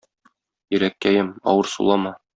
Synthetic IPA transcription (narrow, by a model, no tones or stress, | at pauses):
jɘ̆ɾækːæjɘmɒ̰wɤɾsṵlˠɑmɑ